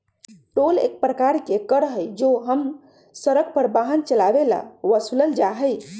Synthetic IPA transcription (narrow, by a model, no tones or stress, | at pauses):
ʈolḛk̚pɾəkaɾkekəɾəɦəjd͡ʒoɦəm | səɾəɡ̚pəɾbaɦənt͡ʃəlabela̰ʋəsuləld͡ʒaɦəj